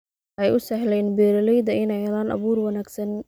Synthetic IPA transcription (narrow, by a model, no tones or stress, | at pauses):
ʔɛjʊsɐɦlɛjnbɛːɾɐlɛjd̪ɐɪnɛjɐðaːnɑ̰βuːrwɐnaːɡsɐn